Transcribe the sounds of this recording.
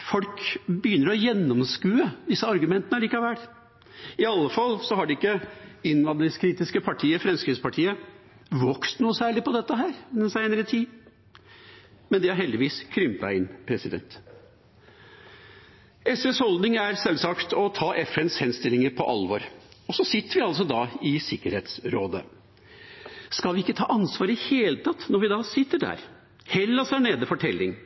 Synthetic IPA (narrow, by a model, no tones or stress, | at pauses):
fɔlkbəjʏnːəɾɔjɛnːɔmskʉːəd̪ɪsːəɑɾɡʉmɛnt̪ənəliːkɑʋæɾ | ɪɑlːəfɑlːsɔhɑɖɪɪkːəɪnʋɑd̪ɪŋskʰɾiːt̪ɪskəpʰɑʈʰiːəfɾɛmskɾɪːspʰɑʈʰiːə | ʋɔkst̪nuːəsæːɭɪpɔd̪ɛt̪ːəɦæːɾnənsæɪnəɾət̪ʰiː | mɛnd̪ɪhɑɾɦɛld̪ɪʋiːskʰɾʏmt̪ɑ̰ɪnpʰɾɛsɪd̪ɛ̰nt̪ | ɛsɛshɔld̪nɪŋæɾsɛlsɑkt̪ʰɔt̪ʰɑːʔɛfɛnshɛnst̪ɪlːɪŋəɾpʰɔʔɑlʋɔɾɔsɔsɪt̪ːəɾʋɪɑls̬ɔd̪ɑːɪsɪkːəɾheːt̪sɾoːd̪ə̰ | skɑlʋɪɪkːət̪ʰɑːʔɑnsʋɑːɾɪheːlət̪ʰɑt̪ːnɔɾʋɪd̪ɑːsɪt̪ːəɖæ̰ːɾ | hɛlːɑsæɳeːd̪əfɔʈʰɛlːɪŋ